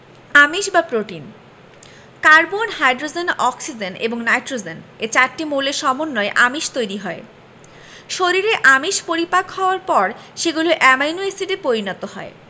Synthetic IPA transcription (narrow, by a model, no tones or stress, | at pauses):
amiʃbapɾoʈin | kaɾbonɦajɖɾod͡ʑenɔksid͡ʑenḛboŋnajʈɾod͡ʑenet͡ɕaɾʈimuleʃɔmonːoeʔamiʃt̪ojɾiɦɔe | ʃoɾiɾeʔamiʃpoɾipakhɔoaɾpɔɾʃeɡuloʔɛmajnuesiʈepoɾinɔt̪oɦɔe